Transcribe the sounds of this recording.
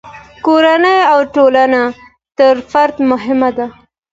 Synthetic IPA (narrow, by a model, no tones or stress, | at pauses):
koɾanəjawʈolana | t̪əɾfaɾd̪mʊɦɪmad̪a